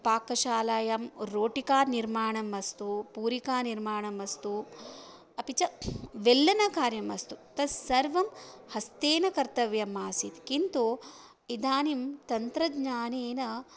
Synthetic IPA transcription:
paːkɐʃaːlaːjɐmɾoːʈikaːɾniɾmaːɳɐmʋɐst̪upuːɾikaːniɾmaːɳɐmɐst̪u | ɐpit͡ʃɐʋelːɐnɐkaːɾjɐmɐst̪ut̪ɐsɐɾʋɐmhɐst̪eːnɐkɐɾt̪ɐʋjɐmːaːsit̪kint̪u | id̪ʱaːnimt̪ɐnt̪ɾɐd̪ɲaːneːnɐ

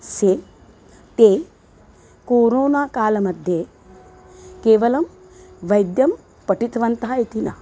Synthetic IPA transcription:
se | t̪eː | koːɾoːnaːkaːlɐmɐd̪ʱje | keːʋɐlɐm | ʋɐjd̪jɐm | pɐʈit̪ɐʋɐnt̪aːit̪inɐ

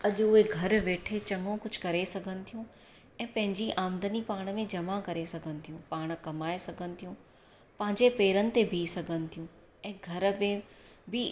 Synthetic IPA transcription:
ɐʄʊɦeɡʱɐɾʋeːʈʰet͡ɕɐŋɡõkʊd͡ʑ̆ʱkɐɾesɐɡʱənɪ̆t̪ʰijũ | ɛ̃ːpɐ̃ɦɪ̃ɲd͡ʑiʔaːmd̪ənipaːɽ̃mẽd͡ʑɐmakɐɾesɐɡʱənɪ̆t̪ʰijũpaːɽ̃̆kɐmaːesɐɡʱənɪ̆t̪ʰijũ | pɐ̃ɦɪ̃ɲd͡ʑepeːɾənɪ̆t̪ebʱiːsɐɡʱənɪ̆t̪ʰijũ | ɛ̃ːɡʱɐɾmẽ | bʱɪ

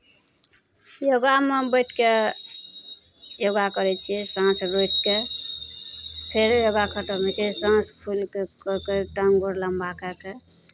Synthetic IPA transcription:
joɡamebəjʈʰke | joɡakəɾɛt͡ʃʰisãsɾojʈ̪ke | pʰeɾjoɡakʰəʈəmet͡ʃʰisãspʰulkekəkeʈəŋɡoɾləmbakəke

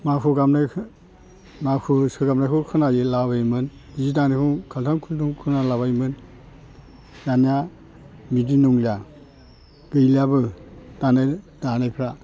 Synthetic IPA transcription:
makʰuɡamna | makʰusɯɡamnakʰɯkʰɯnajɯlabajmɯn | izidanekʰuŋkʰaltʰaŋkʰulduŋkʰɯnalabajmɯn | janija | midinuŋlja | ɡ̥ɯjlijabɯd̥ana | danajpʰɾa

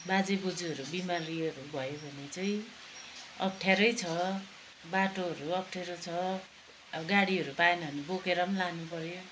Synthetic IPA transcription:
bad͡zebod͡zuɦʌɾubimaɾiʌɾubʱʌjobʱʌnet͡saĩ | ʌ̰k̚ʈʰjaɾʌjt͡sʰʌ | baʈoɦʌɾuʌk̚ʈʰeɾot͡sʰʌ | ɡaɽiɦʌɾupaenʌʌnebokeɾʌmlanupʌɾjo

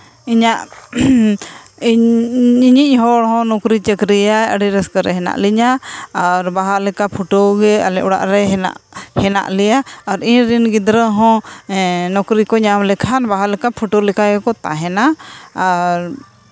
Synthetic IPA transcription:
iɲaʔ | iɲiʔ̚ˀɦɔɽɦɔ̃nɔkɾit͡ʃəkɾijajəɽiɾɛskəɾɛɦɛna̰ʔliɲaaɾbaɦalɛkapʰuʈoɡɛa̰lɛʔɔɽa̰ʔɾɛɦna̰ʔhɛna̰ʔlɛjaaɾinɾinɡid̪ɾəɦɔ̃ | nɔkɾikɔɲamlɛkʰanbaɦalɛkapʰuʈolɛkaɡɛkɔt̪a̰ɦɛnaː | ɾ

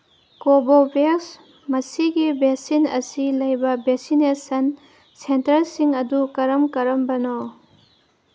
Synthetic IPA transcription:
kobobeks | mɐsiɡibeksinɐ̰silɐjbɐbeksinesɐn | sentɐɾsiŋɐdukɐɾɐmkɐɾɐmbɐno

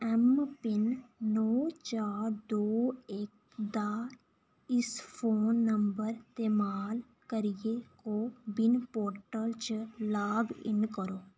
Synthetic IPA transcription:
ɛmpɪnːɔːt͡ʃaːɾd̪oːek̚ | d̪aː | ɪspʰoːnːəmbəɾt̪eːmaːl | kəɾɪjekobɪnpoːɾʈəlt͡ʃlaːbɪ̰nkəɾoː

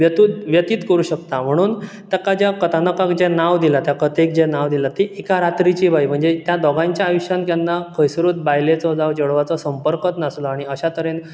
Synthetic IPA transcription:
ʋjət̪uːt̪ʋjət̪iːt̪kəɾuːɕəkt̪am̤əɽ̃uːn | t̪akad͡ʑjakət̪anəkakd͡ʑɛnaʋd̪ilat̪jakət̪ek̚d͡ʑenaʋd̪ilat̪iʔikaɾat̪ɾit͡ɕiːbʱajm̤əɳd͡zet̪jad̪ɔɡãɲt͡ɕjaːjuɕãnkjanːakʰəjsɾuːt̪̚bajlet͡sɔd͡zaʋd͡ʑeɽʋat͡sɔsəmpəɾkət̪nəslɔaɽ̃iəɕat̪əɾen

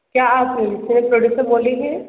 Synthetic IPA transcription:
kjaːaːpnẽd͡ʒɪsnẽpɾoɖjuːsəɾboːliɦɛ̃ː

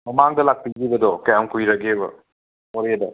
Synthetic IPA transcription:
mɐmaŋdɐlak̚piɡibɐdɔkɐjamkujɾɐɡebɐ̰ | moɾedɐ

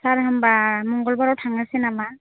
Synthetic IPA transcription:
saɹɦambamɔŋɡɔlbaɹɔwtʰaŋasinama

